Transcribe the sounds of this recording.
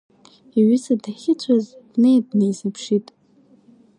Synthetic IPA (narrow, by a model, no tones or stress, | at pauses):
iɥʏsadaχʲɪt͡sʷʰazd̥nejd̚nejsɨpʰʂitʼ